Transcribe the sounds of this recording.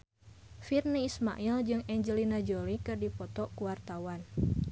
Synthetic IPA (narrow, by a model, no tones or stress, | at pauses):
firniisma̰ʔild͡ʒɨŋɛɲd͡ʒəlinad͡ʒɔlikɨrdipɔt̪ɔkuwart̪awan